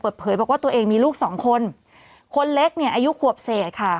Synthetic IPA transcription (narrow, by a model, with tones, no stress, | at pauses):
pɤː˨˩t̪̚pʰɤː˩˦jbɔː˨˩k̚waː˥˩t̪u˧ʔeː˧ŋmiː˧luː˥˩k̚sɔː˩˦ŋkʰo˧n | kʰo˧nle˦˥k̚ni˥˩ʔaː˧ju˦˥kʰu˨˩əp̚seː˨˩t̪̚kʰa˥˩